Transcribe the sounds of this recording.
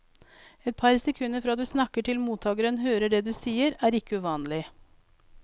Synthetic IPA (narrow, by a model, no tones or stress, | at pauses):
ɛt̪̚pʰɑɾsɛkʰʉnːəfɾɑːd̪ʉːsnɑkːəʈʰɪlmuːt̪ʰɑːɡəɾənhøːɾəɖɛd̪ʉːsiːəɾæːɾɪkəʉːʋɑːnlɪ